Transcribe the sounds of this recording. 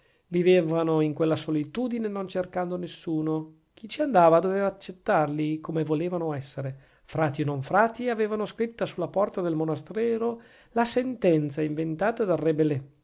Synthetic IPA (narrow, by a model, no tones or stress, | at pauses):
vivevanoiŋkwelːasolit̪uːd̪inenont͡ʃerkand̪onesːuːno | k̟ʰit͡ʃiand̪aːvad̪oveːvaːt͡ʃːet̪ːarlikomevoleːvanoɛsːeɾe | fɾaːt̪ionoɱfɾaːt̪iaveːvanoskɾit̪ːasulːapɔrt̪ad̪elmonast̪ɾɛːɾo | lasent̪ɛnt̪saiɱvent̪aːt̪ad̪arebelɛ